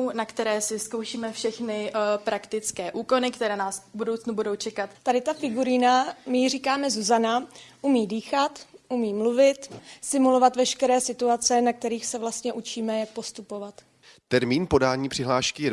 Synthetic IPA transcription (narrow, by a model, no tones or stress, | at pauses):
nakt̪ɛɾɛːsɪskowʃiːmɛfʃɛxnɪpɾakt̪ɪt͡skɛːʔuːko̞nɪkt̪ɛɾɛːnaːsbudowt͡snubudowt͡ʃɛkat̪t̪adɪt̪afɪɡuɾɪnamɪriːkaːmɛzuzanaʔumiːdiːxat̪ʔumiːmluvɪt̪sɪmulo̞vat̪vɛʃkɛɾɛːsɪt̪uat͡sɛnak̚t̪ɛɾiːxsɛvlast̪ɲɛʔut͡ʃiːmɛjak̚po̞st̪upo̞vat̪ | t̪ɛɾmiːnpo̞daːɲiːpr̥ɪɦlaːʃkɪjɛ